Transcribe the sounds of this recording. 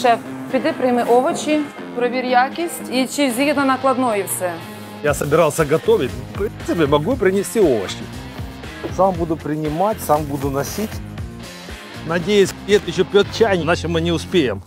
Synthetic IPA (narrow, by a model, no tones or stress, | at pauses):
ʃɛ | pʲid̪ɪpɾɪjmɪʔɔʋɐt͡ʃʲi | pɾɔʋʲiɾʲjakʲisʲtʲit͡ʃiwzʲid̪nɐnɐklˠɐd̪nɔjiwsɛ | jasɐbʲɪɾalˠsʲɐɡɐt̪oʋʲɪt̚ʲfpɾʲint̪sɨpʲɪmɐɡupɾʲɪnʲɪsʲtʲioʋɐ̰t͡ɕɪ | sambud̪ʊpɾʲɪnʲɪmatʲsambud̪ʊnɐsʲitʲ | nɐdʲejɪsʲdʲeɛt̪jɪɕ̬ːopʲot̪̚t͡ɕajnʲnat͡ʃɪmɨnʲɪʊspʲejɪm